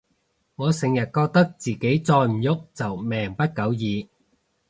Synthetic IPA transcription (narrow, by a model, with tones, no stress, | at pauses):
ŋɔː˨˧sɪ˨˩ŋjɐ˨˩t̚kɔː˧k̚t̪ɐ˥k̚t͡siː˨ke˨˥jt͡sɔː˧jm̩˨˩jʊ˥k̚t͡sɐ˨wmɛː˨˩ŋpɐ˥t̚kɐ˨˥wjiː˨˧